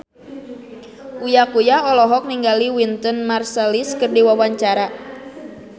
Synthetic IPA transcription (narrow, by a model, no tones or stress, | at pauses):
ʔujakujaɔlɔɦɔk̚niŋɡaliwint̪ɔnmarsɛliskərdiwawaɲt͡ʃaɾa